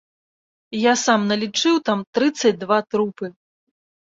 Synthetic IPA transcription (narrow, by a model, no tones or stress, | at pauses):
jasamnɐlʲit͡ʂɨwt̪amt̪ɾɨt̪sːɐt͡sʲd̪vat̪ɾupɨ